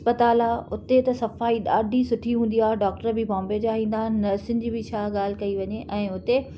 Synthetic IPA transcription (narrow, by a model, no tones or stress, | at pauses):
spət̪aːlaːʊt̪et̪ɐsɐfaːiɗaːɖʱisʊʈʰiɦũːn̆d̪ijaːɦɖaːk̚ʈəɾbɪbãːmbed͡ʑaɦĩːn̆d̪aːnɐɾsɪnd͡ʑibɪt͡ɕʰaːɠaːl̤ɪ̆kɐiʋɐɲeʔɛ̃ːʊt̪e